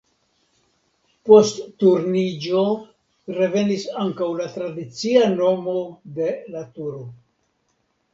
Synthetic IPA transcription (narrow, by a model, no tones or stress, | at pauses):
po̞stːuɾnid͡ʒo̞ | ɾe̞ve̞nisaŋkawlatɾadit͡siano̞mo̞de̞latuɾo